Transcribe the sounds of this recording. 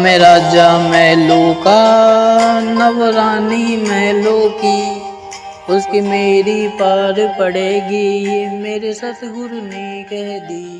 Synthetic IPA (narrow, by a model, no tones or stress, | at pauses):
mẽɾaːd͡ʒamɛɦloːka | nɐʋɾaːnimɛːloːkiː | ʊskimeːɾipaːɾpɐɽeːɡijemeːɾesaːt̪ʰɡʊɾnikɛɦd̪iː